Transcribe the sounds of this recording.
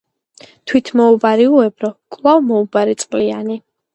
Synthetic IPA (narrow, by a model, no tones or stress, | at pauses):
t̪ʰwit̪ʰmɔubaɾiuɛbɾɔkʼlˠavmɔubaɾit̪sʼqʼliani